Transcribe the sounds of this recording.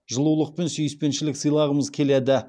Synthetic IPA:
ʒəlˠulˠəq̚pe̞nsʏjɪspe̞nʃɪlɪksəjlˠɑʁəməzkʲʰe̞led̪ɪ

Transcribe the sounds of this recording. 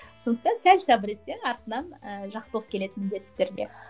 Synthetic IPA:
so̞nd̪əqt̪ɑnsælsɑbɾese̞ŋɑɾt̪ənɑnəʒɑqsəlˠəq̚kʲʰe̞le̞t̪ɪnmɪnd̪e̞t̪ːt̪ːe̞ɾɡʲḛ

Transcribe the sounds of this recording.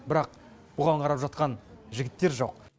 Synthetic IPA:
bɪɾɑq̚ | b̥ʊʁɑɴqʰɑɾɑpʒɑt̪qɑnʒɪɡʲɪt̪ːe̞ɾʒo̞q

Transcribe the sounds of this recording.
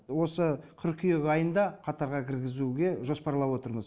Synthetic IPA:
wo̞sət̪ʲʰʏɾkʲʰijeɡʲɑjənd̪ɑqʰɑt̪ɑɾʁɑkʲʰɪɾɡʲɪzuɡʲe̞ʒo̞spɑɾlˠɑpwo̞t̪əɾməz

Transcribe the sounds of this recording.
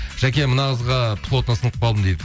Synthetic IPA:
ʒ̥ækʲe̞mənɑʁəzʁɑpʰlˠo̞t̪nəsənd̪əqpʰɑlˠd̪əmd̪ejd̪ɪ

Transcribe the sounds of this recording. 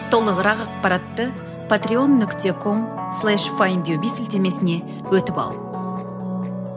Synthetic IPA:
t̪ʰo̞lˠəʁəɾɑqɑq̚pɑɾɑt̪ːə | pʰat̪ɾio̞nːʏkt̪ʰe̞kʰo̞mslˠæʃfajmbʲjobisɪlt̪e̞me̞sɪne̞ | wɵt̪ɪpɑ̰lˠə

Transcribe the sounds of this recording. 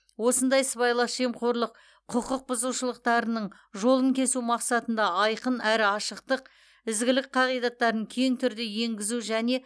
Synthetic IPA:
wo̞sənd̪ɑjsəbɑjlˠɑsʒe̞mqo̞ɾlˠəq̚ | qʰʊqəq̚bʊzuʃəlˠəq̚t̪ɑɾənəɴ | ʒo̞lˠəŋkʲʰe̞sumɑqsɑt̪ənd̪ɑɑjqənæɾɪɑʃəq̚t̪əq | ɪzɡʲɪlɪk̚qʰɑʁijd̪ɑt̪ːɑɾəŋkʲʰe̞ŋt̪ʰʏɾd̪ɪje̞ŋɡʲɪzuʒæne̞

